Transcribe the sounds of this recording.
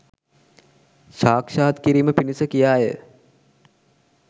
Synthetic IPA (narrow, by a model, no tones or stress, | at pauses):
saːkʃaːt̪kiɾiːməpinisəkijaːjə̰